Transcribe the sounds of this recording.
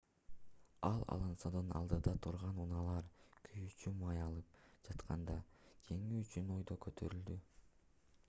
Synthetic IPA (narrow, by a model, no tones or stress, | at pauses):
ɑlˠɑ̰lˠɯnsod̪ɯnɑ̰lˠd̪ɯd̪ɑt̪ʰuɾʁɑnunɑlˠɑɾkʰyjyt͡ʃymɑjɑlˠɯp̚d͡ʒɑt̪qʰɑ̰nd̪ɑkʰe̞ŋyyt͡ʃyno̞jd̪o̞køt̪ʰø̞̰ɾyld̪y